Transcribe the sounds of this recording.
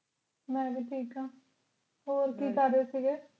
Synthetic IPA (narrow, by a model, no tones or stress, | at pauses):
mɛ̃ːbiːʈʰiːkãː | oːɾkiːkəɾːeːsiːɡeː